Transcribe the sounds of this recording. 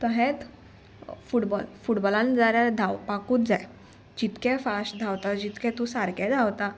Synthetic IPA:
t̪ɔɦɛ̃t̪ | fuʈbɔlfuʈbɔlãnd͡zaɾjaɾd̪ʱawpakuːt̪d͡zaj | d͡ʑit̪kɛ̃fasʈd̪ʱawt̪ad͡ʑit̪kɛ̃t̪ũsaɾkɛ̃d͡z̪ʱawt̪a

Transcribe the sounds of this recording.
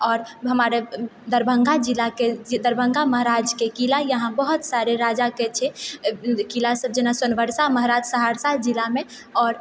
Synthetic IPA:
ɔːɾɦəmaɾed̪əɾbʱəŋɡad͡ʒilaked͡ʒd̪əɾbʱə̃ŋɡaməɦɾad͡ʒkekilajəɦãbəɦut̪saɾeɾad͡ʒaket͡ʃʰɛ | kilasəb̚d͡ʒenasənʋəɾsaməɦɾad͡ʒsəɦaɾsad͡ʒilame | ɔːɾ

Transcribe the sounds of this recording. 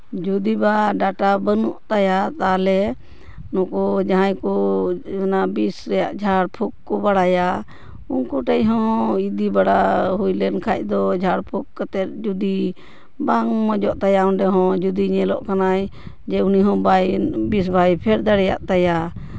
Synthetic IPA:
d͡ʒud̪ibaɖaʈabənuʔt̪ajat̪alɛ | nɔkɔd͡ʒaɦãjkɔɛnabisɾɛja̰ʔd͡ʒʱaɽpʰuk̚ːɔbaɽaja | unkɔʈɛjɦɔ̃id̪ibaɽaɦujlɛnkʰac̚ˀd̪ɔd͡ʒʱaɽpʰuk̚kat̪ɛd͡ʒud̪i | baŋmɔd͡ʒɔʔt̪ajaɔnɖɛɦɔ̃d͡ʒud̪iɲɛlɔʔkanaj | d͡ʒɛuniɦɔ̃bajbisbʱajpʰɛɾd̪aɽɛja̰ʔt̪aja

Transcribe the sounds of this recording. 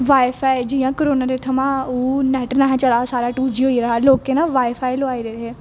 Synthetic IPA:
ʋaːefaːid͡ʑiːjãkəɾoːnaɾet̪ʰɐmãunɛːʈnaːɦẽt͡ʃɐɭasaːɾaʈuːd͡ʒiɦoiɾɐɦaloːkenãʋaːefaːiloaːiɾeeɾɦeː

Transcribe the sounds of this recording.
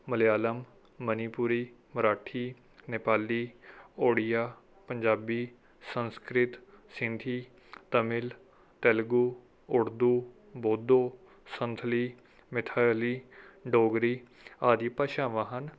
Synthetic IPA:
məlɪjaːləmː | əniːpuɾiː | məɾaːʈʰiː | nepaːliːoːɽijaː | pəɲd͡ʒaːbiː | sə̃nskɾɪt̪ | sɪ̃nd̪ʱiː | t̪əmɪl | t̪ɛlɡuː | ʊɾd̪uː | boːd̪oː | sə̃nt̪ʰliː | mɪt̪ʰaːjliːɖoːɡɾiː | aːd̪iːpəʃãːʋaɦən

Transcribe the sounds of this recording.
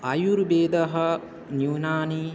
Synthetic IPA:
ɐjuɾbeːd̪ɐɦɐ | njuwnaːni

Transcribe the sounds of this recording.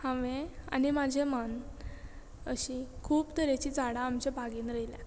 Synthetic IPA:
hãʋea̰nimad͡ʑʱemən | ə̰ɕikʰuːpt̪əɾet͡ɕiːd͡zaɽãːmt͡ɕebʱaɡiːnɾəɦilɛ̰

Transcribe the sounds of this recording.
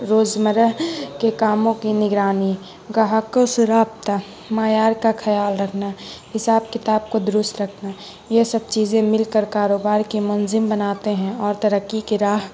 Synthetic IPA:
ɾoːd͡ʒməɾəɦkekaːmõkinɪɡɾaːni | ɡaɦəkosʊɾaːp̚t̪a | maːjaːɾkakʰɐjaːlɾəkʰnahɪsaːb̚kɪt̪aːb̚kod̪ʊɾʊst̪ɾəkʰna | jesəb̚t͡ʃiːzẽmɪlkəɾkaːɾoːbaːɾkimʊnzɪmbənaːt̪eɦɛ̃ɔːɾt̪ɐɾəkːikeɾaːɦ

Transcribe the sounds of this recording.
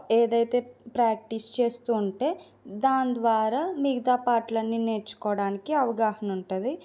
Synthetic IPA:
eːd̪ɐjt̪e̞ːpɾaːk̚ʈist͡ʃe̞ːst̪uːɳʈe̞ː | d̪aːnd̪ʋaːɾaːmiɡɐd̪aːpaːʈlɐnːine̞ːɾt͡ʃu̥kɔːɽaːnikiɐʋɐɡaːɦɐnuɳʈud̪i

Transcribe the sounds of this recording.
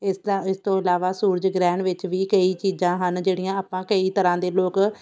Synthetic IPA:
ɪsɪst̪õːɪlaːʋaːsuːɾd͡ʒɡɾɛ̃ːɳɖʋɪt͡ʃʋiːkəiːt͡ʃiːzãːɦənd͡ʒeːɽijãːaːpãːkəiːt̪əɾãːd̪eːloːk

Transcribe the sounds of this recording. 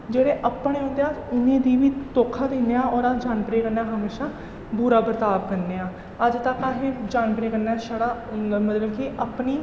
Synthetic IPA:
d͡ʒeːɽeːʔəpːɳeːɦõːnd̪eaːʊnẽːd̪iːʋiːt̪oːkʰaːd̪iːneːãːɔːɾad͡ʒaːnkəɾeːkəɾnaːɦəmeːʃaː | bʊɾaːbɾət̪aːb̚kəɾndeːãː | əd͡ʒt̪aːkːaːɦẽːd͡ʒaːnpəɾeːkəɾnaːʃəɽaːmət̪ləbkiʔəpniː

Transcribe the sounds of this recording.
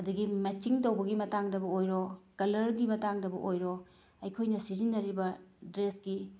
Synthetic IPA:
ɐduɡimɐt͡ʃiŋtɐwbɐɡimɐtaŋdɐbɐojɾokɐlɐɾɡimɐtaŋdɐbɐ̰ʔojɾo | ɐjkʰojnɐsizinːɐɾibɐdɾesɡi

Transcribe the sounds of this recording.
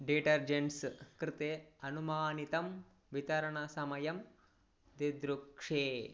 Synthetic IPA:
ɖiʈɐɾd͡ʒeɳskɾɪt̪eɐnumaːnit̪ɐm | ʋit̪ɐɾɐɳɐsɐmɐjɐm | d̪ed̪ɾukʂeː

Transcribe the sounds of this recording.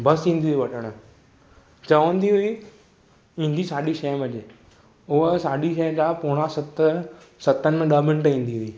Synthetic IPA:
bɐsĩːn̆d̪iiʋɐʈʰəɽ̃ə̆ | t͡ɕɐʋə̃nd̪iɦʊiː | ĩːnd̪isaːɗiʃɛːɦʋɐd͡ʑe | ʊɦsaːɗiʃɛ̃ːd͡ʑaːpʊːɽ̃asɐt̪ | sɐt̪ən̆mẽɗəɦmɪ̃ɳʈĩːn̆d̪iɦʊiː

